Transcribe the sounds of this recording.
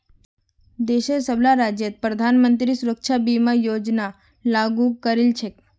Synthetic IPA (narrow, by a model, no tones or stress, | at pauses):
d̪eʃesəblaɾad͡ʒjət̪̚pɾəd̪ʱanmənt̪ɾisuɾəkʃʰabimãjod͡ʒna | laɡukəɾelt͡ʃʰe